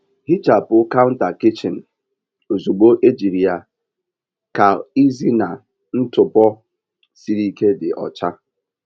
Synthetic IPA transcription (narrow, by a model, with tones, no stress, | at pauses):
hi˦t͡ʃa˨pʊ˦ka˦ʊ˦n̩˦ta˨kɪ˦t͡ʃɪ˨n̩˨ | o˨zu˨ɡ͡bo˦ʔe˦d͡ʒi˨ɾi˨a˨ | ka˨i˦zi˦na˨ | n̩˦tʊ˨pɔ˦ | si˦ɾi˦ke˦dɪ˨ʔɔ̰˨t͡ʃa˦